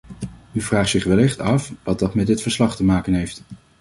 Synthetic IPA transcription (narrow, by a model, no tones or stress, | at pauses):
yvraːχtsɪχʋɛlɪχtɑfʋɑt̚dɑtmɛtdɪtfəɹslɑχtəmaːkənɦejft